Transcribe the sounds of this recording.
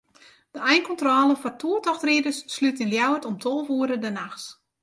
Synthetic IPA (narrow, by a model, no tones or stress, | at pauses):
d̥əɛjnkɔntrɔːlˠəfɔrtʰuətɔxtridəsːlytinljawətɔmtʰolˠvuəɾədənaxs